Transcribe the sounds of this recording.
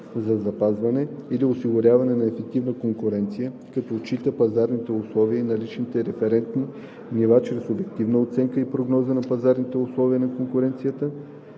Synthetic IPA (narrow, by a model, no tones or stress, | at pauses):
zɐzɐpazvɐnɛiliʊsiɡʊɾʲavɐnɛnɐɛfɛk̚t̪ivnəkoŋkʊɾɛnt̪sijə | kɐt̪ɔt͡ʃit̪əpɐzaɾnit̪ɛʊslˠɔviəinɐlit͡ʃnit̪ɛɾɛfɛɾɛnt̪ni | nivat͡ʃɾɛsobɛkt̪ivnəot̪sɛŋkəipɾoɡnɔzənɐpɐzaɾnit̪ɛʊslˠɔviənɐkoŋkʊɾɛnt̪sijət̪ə